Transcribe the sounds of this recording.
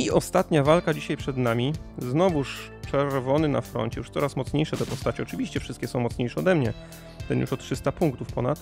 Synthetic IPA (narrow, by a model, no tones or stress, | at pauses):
iɔst̪at̪ɲavalkad͡ʑiɕajpʂɛd̪namʲiznɔvuʂ | t͡ʂɛɾvɔnɘna̰fɾɔ̰nt͡ɕɛjuʂt̪sɔɾasmɔt̪sɲejʂɛd̪ɔpɔst̪at͡ɕiɔt͡ʂɘvʲiɕt͡ɕɛfʂɘ̥st̪̚kʲɛsɔ̃w̃mɔt̪sɲejʂɛɔd̪ɛmɲɛ | t̪ɛnjṵʂɔt̪tːʂɘst̪apuŋkt̪ufpɔnat̪